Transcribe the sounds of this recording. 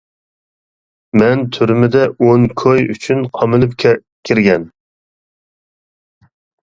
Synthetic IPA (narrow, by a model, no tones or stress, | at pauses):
mɛnt̪ʰyɾmɪd̪ɛʔoŋkʰojyt͡ʃʰynqʰɑmɨlˠɨp̚kʲʰɛ | kʲʰiɾɡʲɛn